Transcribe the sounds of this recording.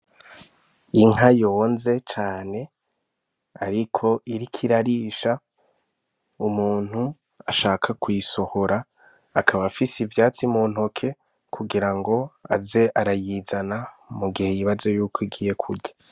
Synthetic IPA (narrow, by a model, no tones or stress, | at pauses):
iŋajo̞ːnze̞t͡ʃaːne̞ | aɾikʰo̞ʔiɾikʰiɾaɾiːʃa | umuːn̥hu | aʃaːkʰakwiso̞ho̞ɾaː | kʰaβafisivjaːt͡simoːn̥hokʰe̞ | kʰuɡiɾaŋɡo̞a̰ze̞ʔaɾajiːzanamuɡihe̞jiβazojuːkʰoiɡiːje̞kʰuɾɟḁ